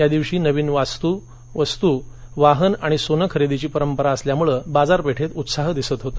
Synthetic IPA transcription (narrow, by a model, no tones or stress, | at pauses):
jad̪iʋɕiːnəʋiːnʋast̪uː | ʋəst̪uːʋaɦənaɽ̃isonəkʰəɾed̪it͡ɕiːpəɾəmpəɾaəsljamuɭəbad͡zaɾpeʈʰet̪ut̪saɦd̪isət̪ɦot̪o